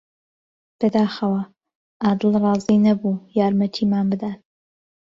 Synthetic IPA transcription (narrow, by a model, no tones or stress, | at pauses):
b̥ɐd̪aːxɐwɐ | aːd̪əlˠrɑːzinɐbuːjaːɾmɐt̪ʰiːmaːnbɨd̪aːt̪